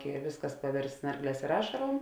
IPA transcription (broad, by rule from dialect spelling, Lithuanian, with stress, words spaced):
ɪ ˈʋʲɪsˌkɐs pɐˈʋʲɪrst ˈsnɐrˌɡlʲɛːs ɪr ˈɑːʃɐroːm